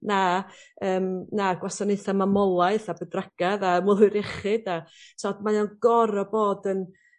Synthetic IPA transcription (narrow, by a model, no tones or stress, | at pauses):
naəːmnaɡwasɔneθamamɔlˠaɨθabədraɡ̥aðamɔlˠʊjɾɛχɪdasɔdmajanɡɔɾɔboːdən